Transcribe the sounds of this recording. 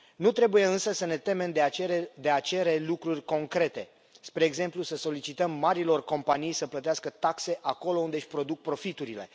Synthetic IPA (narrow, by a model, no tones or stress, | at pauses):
nut̪ɾe̞buje̞ɨnsəsəne̞t̪e̞me̞md̪ead̪e̞at͡ʃe̞ɾe̞lukɾurʲko̞ŋkɾe̞t̪e̞ | spɾe̞ːɡze̞mplusəso̞lit͡ʃit̪əmːaɾilo̞rko̞mpanijsəplət̪easkət̪akse̞ʔako̞lo̞und̪eɨʃʲpɾo̞d̪uk̚pɾo̞fit̪uɾile̞